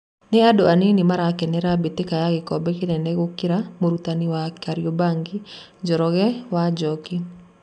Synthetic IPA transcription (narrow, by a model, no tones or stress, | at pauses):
nɛadoaninɪmaɾakɛnɛɾabit̪ɪkajaɡɪkɔbɛkɪnɛnɛɡokɪɾamoɾut̪aniwakaɾjobaŋɡɪ | d͡ʒɔɾɔɣɛwad͡ʒɔkɪ